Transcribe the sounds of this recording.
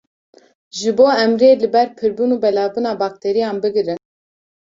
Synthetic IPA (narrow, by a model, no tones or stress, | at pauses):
ʒɨboːɛmɾeːlɨbɛɾpʰɨɾbunuːbɛlɑːbunɑːbɑːk̚t̪ʰɛɾijɑːnbɨɡɨɾɨn